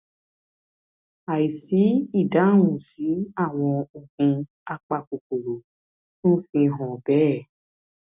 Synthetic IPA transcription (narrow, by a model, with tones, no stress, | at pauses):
a˨i˨si˨˦i˦˨da˨˦˨wũ˨si˨˦a˦˨w̃ɔ̃˧o˨ɡũ˧ | a˧k͡pa˧ko˨k͡po˨ɾo˨ | nũ˦fĩ˧ɦɔ̃˨bɛ˨˦˨